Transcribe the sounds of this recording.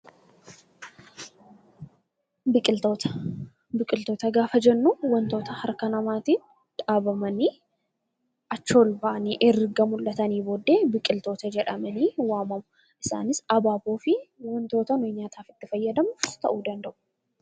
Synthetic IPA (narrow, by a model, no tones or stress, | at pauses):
bɪkʼɪt̪ot̪ɐ̥ | bɪkʼɪlt̪o̞ːt̪ɐɡaːfɐd͡ʒɛnːʊwɐnt̪o̞ːt̪ɐhɐɾkɐnɐmaːt̪iːn | t̪ʼaːbɐmɐni | ʔɐt͡ʃːo̞ːlbɐʔɐniʔɛɾɡɐmʊlːɐt̪ɐniːboːd̪ːe̞ːbɪkʼɪlt̪o̞ːt̪ɐd͡ʒɛᶑɐmɐniːwaːmɐmʊ | ʔɪsa̰ːnɪsɐbaːboːfɪwɐnt̪o̞ːt̪ɐnʊɲaːt̪ʰaːfɪ̥t̪ːɪfɐjːɐd̪ɐmʊt̪ɐ̰ʔuːd̪ɐnd̪ɐʔʊ̥